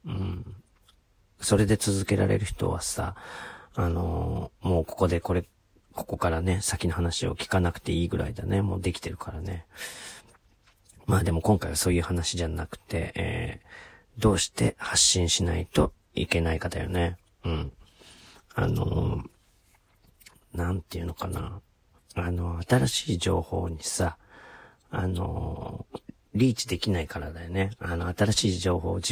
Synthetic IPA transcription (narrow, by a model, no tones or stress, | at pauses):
ɯ̟̃ɴ | so̞ɾe̞d̪e̞t͡sɨzɨke̞ɾa̰ɾe̞̰ɾɯ̟çi̥t̪o̞̰βa̰sa̰ | ano̞̰mo̞ːko̞̥ko̞d̪e̞ko̞ɾe̞ | ko̞̥ko̞kaɾane̞sakʲino̞ɦanaɕio̞̰kʲi̥kanakɯ̟̥t̪e̞iːɡɯ̟ɾa̰id̪ane̞mo̞ːd̪e̞kʲi̥t̪e̞ɾɯ̟kʰaɾane̞ | maːd̪e̞mo̞kõ̞ŋkaiβaso̞ːjɯ̟ːhanaɕid͡ʑanakɯ̟̥t̪e̞̰ḛː | d̪o̞ːɕi̥t̪e̞haɕːĩɰ̃ɕinait̪o̞ | ike̞naikat̪a̰jo̞̰ne̞ | ɯ̟̃ɴ | a̰no̞̰ | nãnt̪eiɯ̟no̞kana̰ | ano̞at̪aɾaɕiːd͡ʑo̞̰ːho̞̰ːɲ̟isa | a̰no̞̰ | ɾʲiːt͡ɕi̥d̪e̞kʲinaikaɾad̪ajone̞ano̞at̪aɾaɕiːd͡ʑo̞ːho̞̰ːd͡ʑi